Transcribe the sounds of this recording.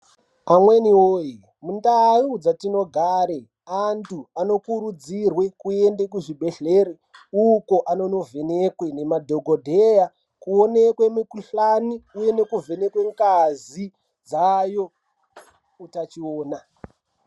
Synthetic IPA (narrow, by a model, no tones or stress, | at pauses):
amwe̞nioːi | mundarud͡zatino̞ɡʱaɾe | antuano̞kuɾud͡zirwe̞kue̞ndekuʐibʱe̞ɬeːre | uko̞ʔano̞no̞vʱenekwe̞ne̞madʱoɡʱodʱeja | kuo̞nekwe̞mikuɬaniuje̞ne̞kuvʱe̞ne̞kwe̞ŋkazi | d͡zajo̞ | utat͡ʃioːna